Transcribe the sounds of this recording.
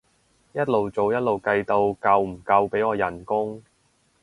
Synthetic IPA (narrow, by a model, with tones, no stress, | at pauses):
jɐ˥t̚lo˨wt͡so˨wjɐ˥t̚lo˨wkɐ˧jt̪o˧wkɐ˧wm̩˨˩kɐ˧wpe˨˥jɔː˨˧jɐ˨˩nkʊ˥ŋ